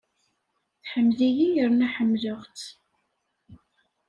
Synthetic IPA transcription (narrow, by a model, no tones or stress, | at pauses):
θħəmːzijijəɾnæħəmːləʁt͡s